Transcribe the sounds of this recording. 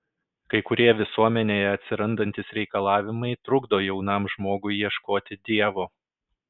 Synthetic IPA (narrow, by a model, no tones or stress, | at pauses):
kɐɪkʊɾʲiːɛɛʋʲɪsuɔmʲɛnʲeːjɛɐt̪ʲsʲɪɾɐnd̪ɐnʲt̪ʲɪsɾʲɛɪkɐlˠɑːʋʲɪmɐɪt̪ɾʊɡd̪oːjɛʊnɑˑmʒmoːɡʊɪjiɛʃkoːt̪ʲɪd̪ʲiɛʋoː